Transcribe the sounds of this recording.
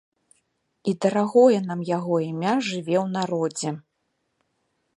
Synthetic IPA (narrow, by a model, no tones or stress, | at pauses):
id̪ɐɾaɣɔjɛnamjaɣɔimʲaʐɨvʲɛwn̪aɾɔd͡zʲɛ